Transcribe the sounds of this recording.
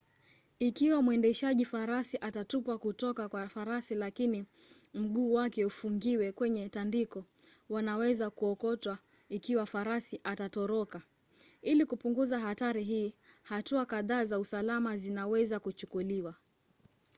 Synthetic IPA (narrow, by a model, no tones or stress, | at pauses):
ikiwamwɛndɛʃaʄifaɾasiʔatatupwakutɔkakwafaɾasilakinim̩ɠuːwakɛufuŋɡiwɛkwɛɲɛtandikɔ | wanawɛzakuɔkɔtwaikiwafaɾasiʔatatɔɾɔka | ilikupuŋɡuzaɦataɾiɦiːhatuakaðaːzausalamazinawɛzakut͡ʃukuliwa